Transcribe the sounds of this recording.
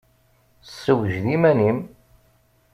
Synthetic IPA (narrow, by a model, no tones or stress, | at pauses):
sːəwəʒðimænim